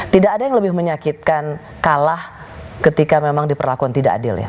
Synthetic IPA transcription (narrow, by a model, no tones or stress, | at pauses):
t̪idaʔːdajaŋləbɪhməɲakit̪̚kan | kalah | kət̪ikamemaŋdipərlakuant̪idaʔa̰dɪ̰lja̰